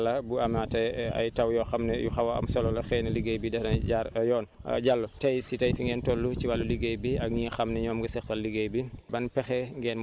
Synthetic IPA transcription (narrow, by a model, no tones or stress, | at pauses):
lɐbuɐmatɐjɐ̰jtɐwjɔxɐmnɛjuxɐwɐɐ̰msɔlɔlɐxɛnɐliɡejbidɛnɐjaːɾjɔːnɐ̰ɟalːɔtɐjsitɐjfiŋɡɛːntɔlːut͡ʃiwalːuliɡejbiɐɡɲiːxɐmnɛɲɔːmɡɐsɛxtɐlːiɡejbibɐnpɛxɛŋɡɛːn